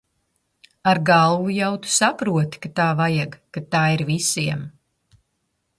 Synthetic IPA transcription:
aɾɡalˠvujawt̪u̥sapɾuɔt̪i̥kat̪aːvajaɡkat̪aːiɾvisiɛm

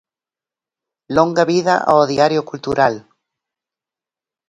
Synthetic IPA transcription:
loŋɡaβiðaʔa̰oðiaɾjokult̪uɾʔal

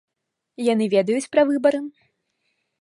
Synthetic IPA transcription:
janɨvʲɛd̪ɐjut͡sʲpɾɐvɨbɐɾɨ

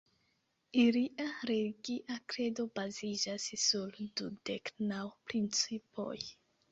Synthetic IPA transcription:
iliʔaɾe̞liɡiʔakɾe̞do̞bazid͡ʒassuldude̞knawpɾint͡sipo̰j

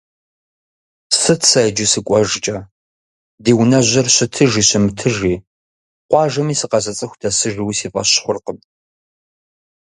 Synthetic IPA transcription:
sɨtʰsɐd͡ʒɪsɨkʷʼɔʒt͡ʃʼɐ | deːwnɐʑʷɐrɕɪtʰɨʒiːɕɪmɨtʰɨʒiː | qʷɑːʒɐmiːsɨqɐzɐt͡sʼɨxʷdɐsɨʒiwisiːpʼɐ̰ɕχʷʊrqəpʼ

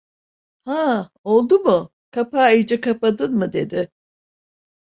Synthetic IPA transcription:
ha | o̞lˠd̪umʊ | kʰapaːajɯd͡ʒɛkapad̪ɯnmɯd̪e̞d̪ɪ

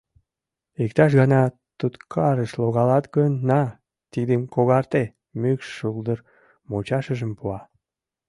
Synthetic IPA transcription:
ikt̪ɑʃ̬ɣɑnɑ | t̪ut̪kʰɑɾəʃloɣɑlɑt̪ɡønːɑ | t̪id̪emkoɣɑrt̪e | mykʃːuld̪ər | mot͡ɕɑʃəʒəmpuɑ

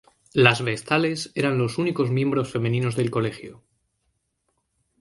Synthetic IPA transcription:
lazβe̞st̪ale̞se̞ɾanlo̞suniko̞zmje̞mbɾo̞sfe̞mẽ̞nĩno̞zðe̞lko̞le̞xjo

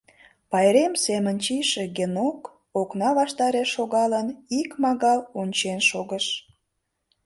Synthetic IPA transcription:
pɑjɾemsemənʲt͡ɕiʃeɡenok | oknɑβɑʃt̪ɑɾeʃːoɣɑlənikmɑɣɑlonʲt͡ɕenʃoɣəʃ

